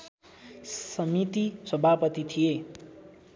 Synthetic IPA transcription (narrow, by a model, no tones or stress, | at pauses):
sʌmit̪iswʌbʱapʌt̪it̪ʰije